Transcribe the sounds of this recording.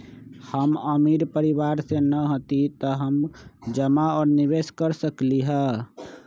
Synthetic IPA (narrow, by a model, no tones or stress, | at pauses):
həməmiɾpəɾibaɾsenəɦot̪it̪ɔɦəmd͡ʒəmaɔɾniβeskəɾsəkliɦə